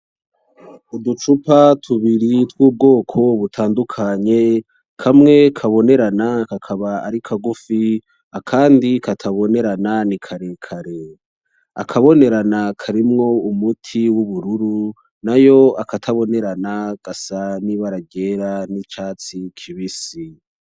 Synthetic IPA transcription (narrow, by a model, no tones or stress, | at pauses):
udut͡ʃupatʰuβiɾitwuːb̚ɡo̞ːkʰo̞βutʰaːndukʰaɲe̞ | kʰamŋe̞kʰaβo̞ne̞ɾanakakʰaβa̰ːɾikʰaɡufi | akʰaːndikatʰaβo̞ne̞ɾananikʰaɾekʰaɾe̞ | a̰kʰaβo̞ne̞ɾanakʰaɾimŋo̞umutʰiwuβuɾuɾu | najo̞akatʰaβo̞ne̞ɾanaɡ̥asaniβaɾaɟe̞ɾanit͡ʃaːt͡sikʰiβisi